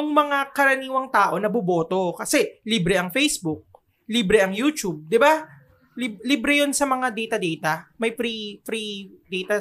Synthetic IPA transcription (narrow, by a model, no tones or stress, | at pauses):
jʊŋmɐŋakɐɾɐniːwɐŋt̪aːʔo̞nɐbʊbo̞ːt̪o̞kɐsɛliːbɾɛʔɐŋfɛjsbʊk̚ | liːbɾɛʔɐŋjuːt͡ʃub̚d̪ɪba | libliːbɾɛjo̞nsɐmɐŋad̪ɛjt̪ɐd̪ɛjt̪ɐmɐjfɾifɾid̪ɛjt̪ɐ